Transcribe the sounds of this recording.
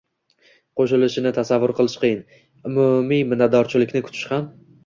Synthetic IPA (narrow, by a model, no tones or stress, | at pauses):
qʰoʃɪlɪʃɪnɪt̪ʰasavːʊɾqʰɨlˠɪʃqʰɨjɪn | ʊmumijmɪnːad̪ɒɾt͡ʃʰɪlɪkʲnɪkʰʊ̥t͡ʃ̪ʰɪ̥ʃham